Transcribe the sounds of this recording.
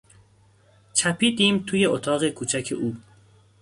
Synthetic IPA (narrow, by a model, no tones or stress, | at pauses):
t͡ʃʰæpʰiːd̪iːmt̪ʰuːje̞ʔot̪ʰɒːɣe̞kʰuːt͡ʃʰæcʰe̞ʔuː